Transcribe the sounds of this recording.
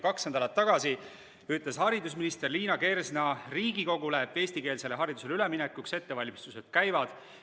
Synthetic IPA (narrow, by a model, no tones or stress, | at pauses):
kɑksend̪ɑlɑt̪ːɑɡ̥ɑsi | yt̪leshɑɾid̪us̬minist̪e̞rliːnɑke̞rsnɑriːɡiko̞ɡuleːbe̞ːsʲt̪ike̞ːlse̞le̞ɦɑɾid̪̥use̞leyleminekːukse̞t̪ːe̞vɑlʲmist̪use̞d̪̥kæjvɑd̪̥